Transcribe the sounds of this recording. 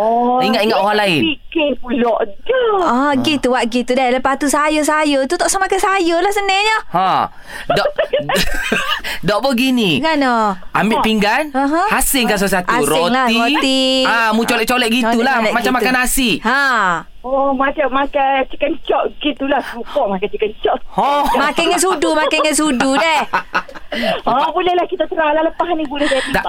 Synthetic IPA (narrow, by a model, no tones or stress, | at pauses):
ɔiŋat̪iŋat̪oaŋlaɪnikeŋpulɔʔɡəɔɡit̪uwaʔɡit̪udajləpat̪usajəs̬ajət̪ut̪ɔʔsamakəsajəlahsənəɲəhã | ɔ | dɔʔ̚bəɡiniŋanɔambɪpiŋɡanãɦə̃hasɪŋkans̬əsat̪aɾɪtŋlaiot̪iamut͡ʃolɛʔt͡ʃolɛʔ̚ɡit̪ulamat͡ʃamːakanasiha | ɔmat͡ʃamakat͡ʃəkənt͡ʃɔʔɡit̪ulahukɔʔmakat͡ʃəkənt͡ʃɔʔɔmakaŋɛs̬udumakaŋɛnsududɛ | ɔbulɛhlahkit̪at̪əɾalaləpaɦnibulɛsajad